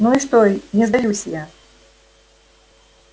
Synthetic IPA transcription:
nuiʂt̪oinʲɪzd̪ɐjusʲja

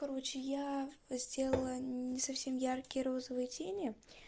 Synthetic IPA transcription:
kɐɾo̞t͡ɕɪjazʲdʲe̞lˠəlˠənʲɪsɐfsʲe̞mjarkʲɪjəɾo̞zəvɨjətʲenʲɪ

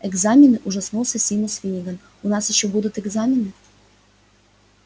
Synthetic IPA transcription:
ɛɡzamʲɪnɨʔuʐasnosʲəsʲimosfʲinʲiɡən | unɑsjɪɕːobud̪ut̪ɛɡzamʲɪnɨ

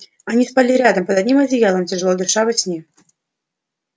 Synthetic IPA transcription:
anʲispalʲiɾʲad̪əmpəd̪ɐdʲnʲimɐzʲɪjalˠəmtʲɪʐɨlˠɔd̪ʊʂavɨsʲnʲi

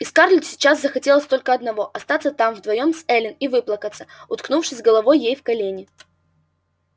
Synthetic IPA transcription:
ɪskarlʲɪt̪sʲɪ̥t͡ɕaszəxɐtʲe̞lˠəsʲt̪o̞lʲkəɐd̪nɐvo̞ʔɐst̪at̪sət̪amvd̪vɐjo̞msɛlʲɪnivɨplˠəkət̪sə̥ʊt̪knufʂɨsʲɡəlˠɐvo̞jːejfkɐlʲenʲɪ

